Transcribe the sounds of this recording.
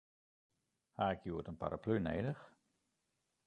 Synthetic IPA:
haɪkjuːətənpa̰ɾʔa̰plynḛːdəx

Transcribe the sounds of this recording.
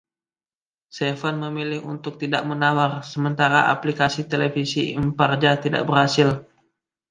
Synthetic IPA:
sefanməmilɪhunt̪ʊk̚t̪idaʔmənawarsəmənt̪aɾaʔa̰plikasit̪elefisiimpard͡ʒat̪ida̰ʔbərhasɪl

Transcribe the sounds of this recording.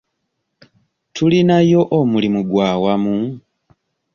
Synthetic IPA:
tʰulinajo̞ʔomulimuɡwaːwamu

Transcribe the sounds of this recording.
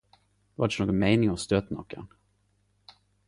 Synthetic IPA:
d̪va̰d̪noːɡɔnmɛɪnɪŋɔmst̪øːt̪nɔkʰːa̰n

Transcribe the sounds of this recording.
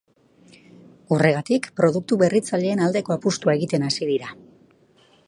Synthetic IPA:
ure̞ɣ̞at̪ikpɾo̞ðuk̚t̪uβe̞rit͡saʎe̞ːnald̪e̞ko̞apust̪uae̞ɣit̪e̞nasiðiɾa

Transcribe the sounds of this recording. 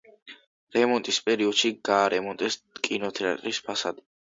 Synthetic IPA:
ɾɛmɔnt̪ʼispʼɛɾiɔd̪̥ʃiɡ̥aːɾɛmɔnt̪ʼɛs | kʼinɔt̪ʰɛa̰t̪ʼɾispʰasad̪i

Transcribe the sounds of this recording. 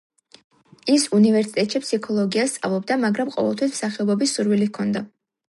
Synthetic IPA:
isunivɛɾsit̪ʼɛt̪ʼʃipsikʰɔlˠɔɡiast̪sʼa̰vlˠɔbd̪amaɡɾamqʼɔ̰vɛlˠt̪ʰwismsaχɛɔbɔbisːuɾvilikʰɔnd̪a

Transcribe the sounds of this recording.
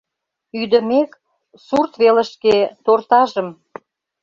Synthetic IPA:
yd̪ə̆mek | surt̪βelə̆ʃket̪ort̪ɑʒəm

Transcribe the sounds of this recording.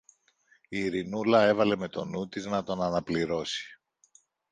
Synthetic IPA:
iːɾinulɐe̞vɐle̞me̞t̪o̞nut̪iznɐt̪o̞nɐnɐpliɾo̞si̥

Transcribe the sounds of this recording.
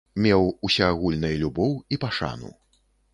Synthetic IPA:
mʲɛwusʲaːɣulʲnɐjɐlʲubɔwipaʂa̰nṵ

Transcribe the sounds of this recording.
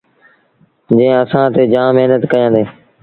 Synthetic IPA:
d͡ʒẽəsãːt̪eːd͡ʒãːmɪɦnət̪kəjãːd̪eː

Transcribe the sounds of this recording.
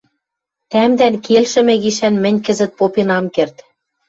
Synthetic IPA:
t̪æmd̪ænkelʃɘ̆mɘ̆ɣiʃænmɘ̆nʲkɘ̆zɘ̆t̪̚popenɑmkert̪

